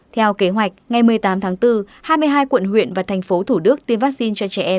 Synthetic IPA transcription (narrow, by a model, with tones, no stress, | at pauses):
t̪ʰɛ˧wke˨˦ɦwa˨˩jk̟̚ŋa˨˩jmɨ˨˧˩əjt̪aː˨˦mt̪ʰaː˨˦ŋt̪ɨ˧ | haː˧jmɨ˧əjɦaː˧jkwə̰˧˨nɦwḭ˧˨ənvaː˨˩t̪ʰɛ˨˩ŋ̟fo˨˦t̪ʰu˧˩ɗɨ˦˥ək̚t̪i˧ənvaː˦˥k̚si˧nt͡ɕɔ˧t͡ɕɛ˧˩ʔɛ˧m